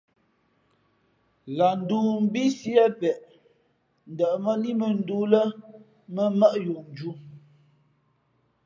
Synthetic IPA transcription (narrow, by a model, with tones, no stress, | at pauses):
la˨n̩˨du˦m̩˦bi˦si˦ɛ˦pɛ˨ʔ | n̩˨də˨ʔmə˦ni˦mə˨n̩˦du˨˦lə˦ | mə˦mə˦ʔju˨ʔn˨d͡ʒu˦